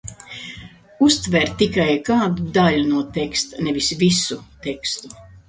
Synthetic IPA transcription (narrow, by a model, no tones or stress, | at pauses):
ust̪vɛɾt̪ikajkaːd̪ud̪alʲunuɔt̪ekst̪anɛvʲisvisut̪ekst̪u